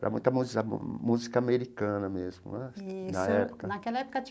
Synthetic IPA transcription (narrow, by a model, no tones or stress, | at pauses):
pɾɐ̰mũj̃t̪ɐmuzɐ̰muzikɐameɾikɐ̃nɐmezmʊ̰nɛinɐɛpo̥kɐnɐkɛlɐɛpʊ̥kɐt͡ʃ